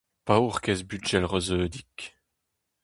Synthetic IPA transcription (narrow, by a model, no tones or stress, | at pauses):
pauʁkɛsbyd͡ʒɛlʁɔzøːd̪ik